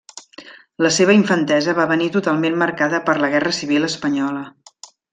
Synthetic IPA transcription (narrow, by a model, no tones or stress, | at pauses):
ləseβ̞əiɱfənt̪ɛzəβaβənit̪ut̪alˠmenməɾkaðəpəɾləɣɛrəsiβ̞iləspəɲɔlə